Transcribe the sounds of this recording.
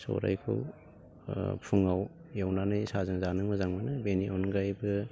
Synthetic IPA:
so̰ɾa̰jkʰo̰w | pʰuŋaw | jawnanɯjsazɯŋzanɯŋmɐzaŋmɯnɯbeniʔonɡajbɯ

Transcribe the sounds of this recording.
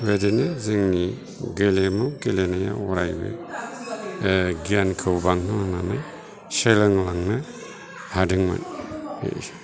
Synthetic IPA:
wedenɯzɯŋni | ɡelemɯɡelenaja̰wɔɾajbɯ̰ | ɡijankʰɯwbaŋhɯlaŋnana | selɯŋlaŋna | hadɯŋmɯ̰nḛ

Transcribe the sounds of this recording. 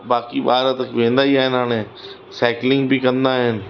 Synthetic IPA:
baːkiɓaːɾat̪əkʋẽːnd̪aːiaːɦɪnɦaːñẽː | sɛːklɪŋɡbiːkə̃nd̪aːɦɪn

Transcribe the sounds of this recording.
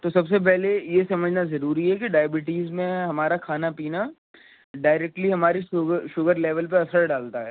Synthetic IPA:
t̪osɐbsep̬ɛɦlejesɐməd͡ʒʱnazɐɾuːɾiɦɛkiɖaːjəbɪʈiːzmẽɦɐmaːɾakʰaːnapiːna | ɖaːɪɾeːk̚ʈliɦɐmaːɾiʃʊɡəʃʊɡəɾleːʋəlp̬eɐsəɽɖaːlt̪aɦɛː

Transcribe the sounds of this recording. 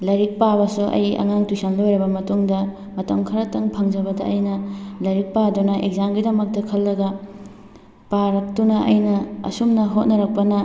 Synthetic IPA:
lɐɾik̚pabɐsuʔɐ̰jɐ̰ŋaŋtusɐnlojɾɐbɐmɐtuŋdɐ | mɐtɐmkʰɐɾɐtɐŋpʰɐŋd͡ʒɐbɐdɐ̰ʔɐjnɐlɐɾik̚padunɐʔḛɡ̚zamɡidɐmɐk̚tɐkʰɐlːɐɡɐ | paɾɐk̚tunɐɐ̰jnɐɐ̰sumnɐɦot̚nɐɾɐk̚pɐnɐ

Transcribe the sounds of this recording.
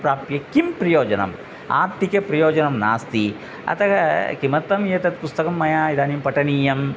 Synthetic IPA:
pɾaːpjɐkimpɾɐjoːd͡ʒɐnɐ̰m | a̰ːɾt̪ikɐpɾɐjoːd͡ʒɐnɐmna̰ːst̪i | ɐ̰t̪ɐkɐkimɐt̪ːɐmjeːt̪ɐt̪̚pust̪ɐkɐmːɐjaːid̪aːnimpɐʈɐniːjɐm

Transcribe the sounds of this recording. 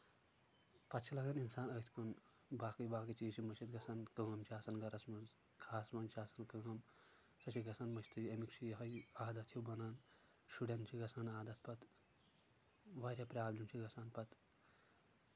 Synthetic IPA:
pɐt̪t͡ʃʰilɐɡɐninsaːnɐːt̪ʰkun | baːkɐjbaːkɐt͡ʃiːt͡ʃʰimɐʃʰit̪ɡɐsankɨŋɐmt͡ʃʰaːsɐnɡɐɾɐsmuz | kʰaːsmɐnt͡ʃʰaːsɐnkɨɡɐm | sɐt͡ʃʰiɡɐsɐnmɐʃt̪ʰɨemikt͡ʃʰijɐɦɐjaːd̪ɐt̪ʰjiwbɐnaːn | ʃuɽʲɐnt͡ʃʰiɡɐsaːnaːd̪ɐt̪̚ʰpɐt̪ | ʋaːɾʲjaːpɾaːblʲimt͡ʃʰiɡɐsaːnpɐt̪

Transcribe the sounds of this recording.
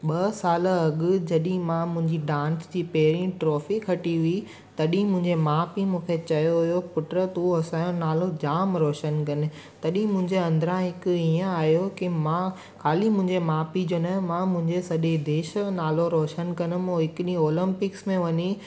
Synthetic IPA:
ɓɐsaːlɐɠʊ̆d͡ʑɐɗĩmãmʊ̃ɦɪ̃ɲd͡ʑiɖãːnsd͡ʑiːpɐɦɪɾĩʈɾoːfikʰɐʈiʋi | t̪ɐɗĩmʊ̃ɦɪ̃ɲd͡ʑemaːpimũːkʰet͡ɕɐjoɦʊjopʊʈɾət̪uɦɐsaːjõnaːlod͡ʑaːmɾɔːʃənkɐnɪ | t̪ɐɗĩmʊ̃ɦɪ̃ɲd͡ʑeɐ̃nd̪ɾãɦɪkʊijə̃aːɦjokimã | kʰaːlimʊ̃ɦɪ̃ɲd͡ʑemaːpid͡ʑoːnɐmãmʊ̃ɦɪ̃ɲd͡ʑesɐɗed̪eːʃnaːloɾɔːʃənkɐnʊ̆moɦɪkɪɗĩoːlɪ̃mpɪksmẽʋɐɲi

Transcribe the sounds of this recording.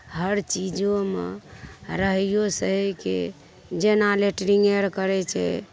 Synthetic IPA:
həɾt͡ʃid͡ʒomḛ | ɾəɦijosəɦkḛ | d͡ʒenaleʈɾiŋɡeɾkəɾɛt͡ʃʰɛ̰

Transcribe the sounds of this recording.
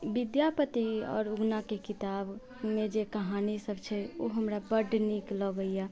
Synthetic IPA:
bid̪japət̪iɔ̰ːɾuɡnakekit̪ab | med͡ʒekəɦanisəbt͡ʃʰɛoɦəmɾabəɖniklɔɡəija

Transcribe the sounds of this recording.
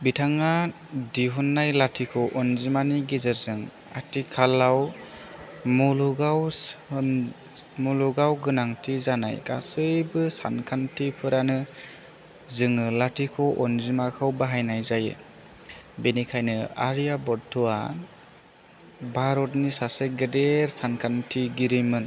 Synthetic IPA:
bitʰaŋa | diɦunːajlatʰikʰɔʔɔnzimaniɡizɯɾzɯŋ | a̰tikʰalːaw | muluɡawn | muluɡawɡɯnaŋtʰizana̰jka̰sɯjbɯsa̰nkʰantʰipʰɯɾanɯ | zɯŋɯlatʰikʰɔʔɔnzimakʰɯwbaɦajnajzajɯ̰ | benikʰajnɯa̰ɾijabɔɾtʰɔa̰ | baɾɔtnisaseɡɯdeɾsankʰantʰiɡiɾɯjmɯn

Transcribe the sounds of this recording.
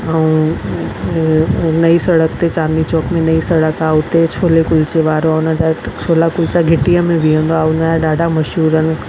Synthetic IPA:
aũ | nɐisɐɽək̚t̪et͡ɕaːnit͡ɕɔːkmẽnɐisɐɽəkaʊt̪et͡ɕʰoːlekʊlt͡ɕeʋaːɾoaʊnəd͡ʑat͡ɕʰoːlakʊlt͡ɕaɡʱɪʈiəmẽʋiə̃nd̪oaʊnəd͡ʑaɗaːɖʱamɐʃɦuːɾənɪ̆

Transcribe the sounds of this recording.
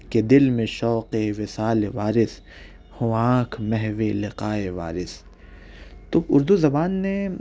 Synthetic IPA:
ked̪ɪlmẽʃɔːqeʋɪsaːleʋaːɾɪs | hʊãːkʰmɛɦʋelɪqaːeʋa̰ːɾɪs | t̪oʊɾd̪uzɐbaːnːe

